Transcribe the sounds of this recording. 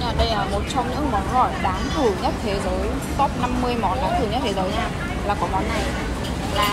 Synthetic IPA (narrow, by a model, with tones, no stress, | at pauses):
aː˨˩ɗə˧jʔəː˧˩mo˨˩t̚t͡ɕɔ˧wŋ͡mɲɨ̰˧˥ŋmɔ˨˦nɣɔ̰˧˩jɗaː˨˦nt̪ʰɨ˨˧˩ɲə˦˥t̚t̪ʰe˨˦zəː˨˦jst̪ɔ˦˥p̚na˧mːɨ˧əjmɔ˨˦nɗaː˨˦nt̪ʰɨ˧˩ɲə˦˥t̚t̪ʰe˨˦zəː˨˦jɲaː˧˩ | laː˨˩kɔ˨˦mɔ˨˦nːa˨˩j | laː˨˩